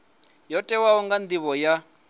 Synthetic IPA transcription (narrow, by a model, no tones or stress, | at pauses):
jɔtʼɛwaɔŋɡand̪iβɔja